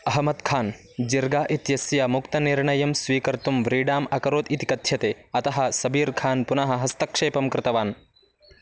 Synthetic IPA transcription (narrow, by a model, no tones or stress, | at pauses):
ɐɦɐmɐt̪kʰaːn | d͡ʒiɾɡaːʔit̪jɐsjaːmukt̪ɐniɾɳɐjɐmsʋiːkɐɾt̪umʋɾiːɖaːmɐkɐɾoːd̪it̪i̥kɐt̪ʰjɐt̪eːɐt̪ɐɦɐ̆sɐbiːɾkʰaːnpunɐɦɐ̆ɦɐst̪ɐkʂeːpɐmkɾɪt̪ɐʋaːn